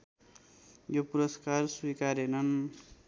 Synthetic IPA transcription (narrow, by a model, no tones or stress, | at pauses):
jopuɾʌskarswikaɾenʌn